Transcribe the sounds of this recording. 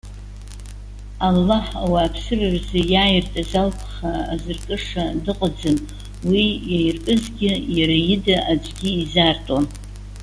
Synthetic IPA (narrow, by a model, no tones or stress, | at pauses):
alːaħawaːpʰsɨrɨrzɨjaːjɪrtʼazalpʷʰχaːzɨrkʼɨʂadɨqʼad͡zɨm | wijajrpʼɨzɡʲɪjaɾajɪdaʔad͡ʒʷɡʲɪːzartʼan